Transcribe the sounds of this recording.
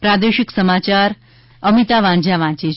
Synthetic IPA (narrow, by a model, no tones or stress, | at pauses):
pɾad̪eɕiksəmat͡ɕaɾ | əmit̪aʋãɲd͡ʑjaʋãt͡ɕe